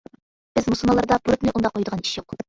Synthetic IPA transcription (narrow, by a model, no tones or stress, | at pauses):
b̥ɪzmuslˠmɑlˠɑɾd̪ɑpuɾut̪nɪʔund̪ɑqʰːojd̪əʁɑni̥ʃjoq